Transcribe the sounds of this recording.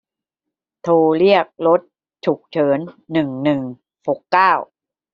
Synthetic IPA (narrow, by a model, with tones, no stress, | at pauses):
t̪ʰoː˧ɾi˥˩ək̚lo˦˥t̪̚ | t͡ɕʰu˨˩k̚t͡ɕʰɤː˩˦nːɯ˨˩ŋnɯ˨˩ŋ | ho˨˩kːaː˥˩w